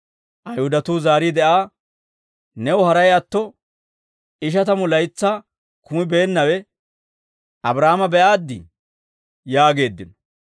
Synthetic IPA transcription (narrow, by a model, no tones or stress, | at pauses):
ʔɐjhʊd̪ɐt̪uːzaːɾiːd̪ɛʔaː | nɛwʊhɐɾɐjɐt̪ːɔ | ɪʃ̬ɐt̪ɐmʊlɐjt͡sːaː | kʊmɪbe̞ːnːɐwɛ | ɐbɾaːmɐbɛʔaːd̪ːɪ̰ | jaːɡe̞ːd̪ːɪnɔ̥